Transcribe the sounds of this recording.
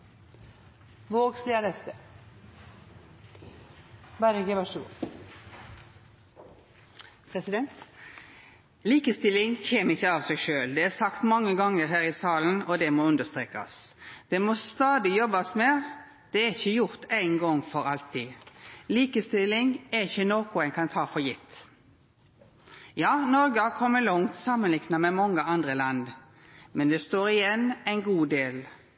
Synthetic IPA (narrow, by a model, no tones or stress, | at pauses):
ʋoːɡslenəst̪ə | bæɾəɡəʋæʂuː | pʰʁɛsɪd̪ɛnt̪ | liːkəst̪ɪlːɪŋçeːməɪçːəɑːʋsæɪʃøːld̪ɛæʁsɑkt̪mɑŋːəɡɑŋːəʁɦæːʁɪsɑːln̩ɔd̪ɛmoːʉnd̪əʁst̪ʁeːkɑ̰sd̪̥ɛmɔst̪ɑːd̪ɪjɔbːɑsmɛ | d̪̥ɛæɾɪçəjʊɾt̪æɪnɡɔŋːfɔɾɑlt̪ʰiːliːkəst̪ɪlɪŋæɾɪçːənoːkʊɛnkʰɑnt̪ʰɑːfɔjɪt̪ː | jɑːnɔɾɡəhɑkʰɔmːəlɔŋt̪sɑːmːənlɪknɑmɛmɑŋːəɑnd̪ɾəlɑnd̪ | mɛnd̪ɛst̪oːɾɪjɛnːæɪnɡuːd̪eːl